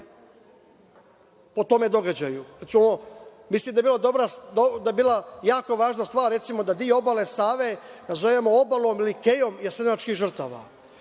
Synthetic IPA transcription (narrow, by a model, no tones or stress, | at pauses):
po̞t̪o̞me̞d̪o̞ɡad͡ʑajuɾt̪simoo | mislˠimd̪ajebilad̪obɾad̪od̪aebiːlˠajaːko̞ʋaːʒnast̪ʋaːɾɾesimo̞d̪ad̪ijoobalesaːʋe̞nazoʋemoobalˠomilikejo̞mjasemat͡ʃkixʒər̩t̪aːʋa̰